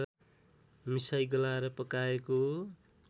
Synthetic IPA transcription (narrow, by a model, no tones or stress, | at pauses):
misajɡʌlaɾʌpʌkaeko